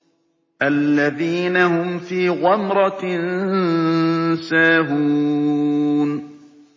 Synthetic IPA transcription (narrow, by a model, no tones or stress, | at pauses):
ʔalːaðiːnahʊmfiːɣɑmɾˤɑɪn | saːɦuː | n